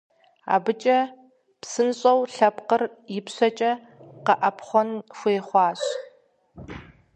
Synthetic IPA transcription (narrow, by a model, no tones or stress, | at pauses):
a̰ːbɨt͡ʃʼɐ | psɨnɕʼɐwɬɐpqərjɪpɕɐt͡ʃʼɐ | qɐʔɐpχʷɔnxʷeːχʷɑːɕ